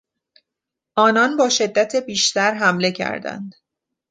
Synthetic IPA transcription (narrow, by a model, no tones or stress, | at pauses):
ʔɒːnɒnbɒːʃe̞d̪ːæt̪ʰe̞biːʃt̪æɾɦæmle̞cʰæ̰ɾd̪æ̰nd̪̥